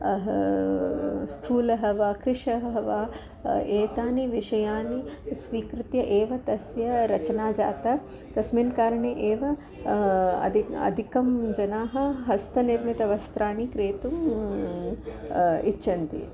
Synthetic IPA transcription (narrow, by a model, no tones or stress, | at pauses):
ɐɦɐ | st̪ʰuːlɐɦɐʋaːkɾɪʂɐɦɐɦɐʋaː | eːt̪aːniʋiʂɐjaːnisʋiːkɾut̪jɐʔeːʋɐt̪ɐsjɐɾɐt͡ʃɐnaːd͡ʒaːt̪ɐ | t̪ɐsminkaːɾɐɳiʔeːʋɐ | ɐ̰d̪ʱiɐ̰d̪ʱikɐmd͡ʒɐnaːɦɐ̆ɦɐst̪ʰɐniɾmit̪ɐʋɐst̪ɾaːnikɾeːt̪um | it͡ʃːʃɐnt̪ḭ